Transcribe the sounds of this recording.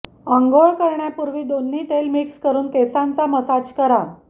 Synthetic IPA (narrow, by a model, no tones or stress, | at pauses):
ãŋɡoɭkəɾɳjapuɾʋiːd̪onːiːʈelmikskəɾuːnkesãnt͡saməsat͡ɕkəɾa